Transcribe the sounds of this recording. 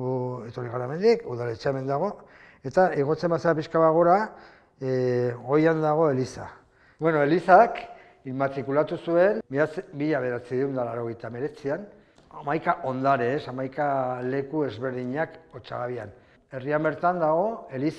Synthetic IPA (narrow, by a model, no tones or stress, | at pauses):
et̪o̞ɾiɣaɾaeme̞nd̪ikuðalet͡seaeme̞nd̪aɣ̞o̞ | e̞t̪aeɣ̞o̞t͡se̞mbaseapiskaβaɣ̞o̞ɾa | ɣo̞jand̪aɣ̞o̞e̞lisa | bwe̞no̞e̞lisak | imat̪ɾikulat̪usue̞nt͡sbiʎaβe̞ɾat͡siðund̪alaɾo̞ɣ̞e̞jt̪ame̞ɾe̞t͡sian | amajkaʔo̞nd̪aɾeːsamajkale̞kue̞zβe̞ɾðiɲako̞t͡ʃa̰ɣaβia̰n | e̞riambe̞ɾt̪and̪aɣ̞o̞e̞lis